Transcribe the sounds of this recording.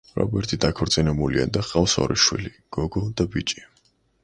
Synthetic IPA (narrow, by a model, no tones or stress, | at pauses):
ɾa̰bɛɾt̪ʰid̪akʰɔɾt̪sʼinɛbulia̰d̪aχalsɔ̰ɾiʃwḭli | ɡ̥ɔɡɔd̪abit͡ʃʼi